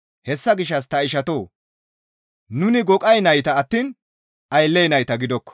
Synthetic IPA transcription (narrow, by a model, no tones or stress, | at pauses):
hɛsːɐɡɪʃːɐs̬t̪ɐɪʃɐt̪o̞ː | nʊnɪɡɔkʼɐjnɐjt̪ɐɐt̪ːiːn | ʔɐjlːɛjnɐjt̪ɐɡɪd̪ɔkːɔ̥